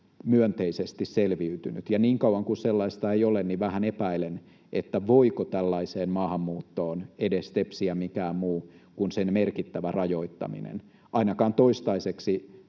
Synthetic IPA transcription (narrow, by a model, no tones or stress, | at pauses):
myønt̪eisest̪isselʋiyt̪yny̰t̪jɑniːŋkɑwɑŋkuselːɑist̪ɑeiolenːiʋæhænepæilen | ʔet̪ːæʋoikot̪ælːɑiseːmmɑːhɑmːuːt̪ːoːnedest̪epsiæmikæːmmuːkunsenmerkit̪ːæʋærɑjoit̪ːɑ̰mḭnḛn | ʔɑinɑkɑːnt̪oist̪ɑiseksi